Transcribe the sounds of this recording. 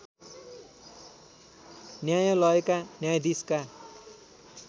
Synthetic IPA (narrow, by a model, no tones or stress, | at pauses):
njajʌ̃lʌekanjajd̪iska